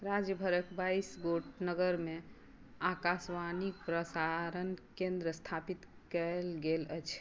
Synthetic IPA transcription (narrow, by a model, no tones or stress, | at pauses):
ɾad͡ʒjəbʱəɾəkbaisɡoʈnəɡəɾme | akasʋanik̚pɾəsaɾənkẽnd̪ɾəst̪ʰapit̪ | kəlɡelə̰t͡ʃʰ